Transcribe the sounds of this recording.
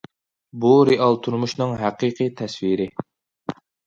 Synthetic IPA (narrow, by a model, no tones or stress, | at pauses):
buɾɪʔɑlˠt̪ʰuɾmuʃnɨŋɦæqiqʰɨt̪ʰɛswiɾɪ